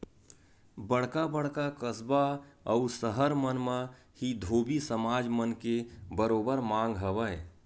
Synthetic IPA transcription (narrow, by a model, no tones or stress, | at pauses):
bəɽkabəɽkakəsbaəʊsəɦəɾmənmə̃ | hid̪ʱoːbisəmaːd͡ʒmənkebəɾoːbəɾmãːŋɡɦəbə